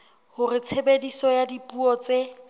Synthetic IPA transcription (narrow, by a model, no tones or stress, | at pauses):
hʊrɪt͡sʰebedisɔjadipuɔt͡se